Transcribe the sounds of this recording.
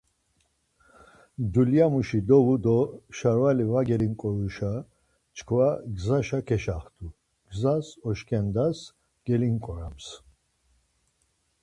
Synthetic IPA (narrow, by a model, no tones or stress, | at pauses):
d̪uljamuʃid̪ɔvud̪ɔʃaɾvalivaɡɛliŋkʼɔɾuʃa | t͡ʃʰkʰvaɡzaʃakʰɛʃaχt̪ʰu | ɡ̥zasɔʃkʰɛnd̪as | ɡ̥ɛliŋkʼɔɾams